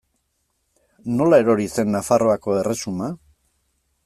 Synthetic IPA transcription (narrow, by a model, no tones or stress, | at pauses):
no̞lae̞ɾo̞ɾise̞nːafaro̞ako̞e̞re̞suma